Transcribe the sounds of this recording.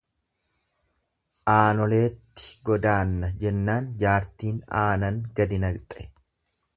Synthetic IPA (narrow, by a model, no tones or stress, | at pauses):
ʔaːnɔle̞ːt̪ːɪ̥ɡɔd̪aːnːɐd͡ʒɛnːaːnd͡ʒaːɾt̪iːnaːnɐŋɡɐd̪ɪnɐɡt̪ʼɛ̥